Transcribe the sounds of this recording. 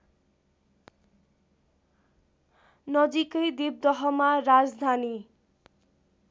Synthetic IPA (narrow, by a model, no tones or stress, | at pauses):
nʌd͡zikʌjd̪ib̚d̪ʌɦʌmaɾad͡zd̪ʱani